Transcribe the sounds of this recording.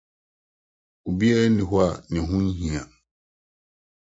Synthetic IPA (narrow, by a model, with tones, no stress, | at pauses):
u˨bi˦ɛ˦nɪ̃˨ɦʊ˦a˦˨nɪ̃˨ɦũ˦nɦĩ˨a˨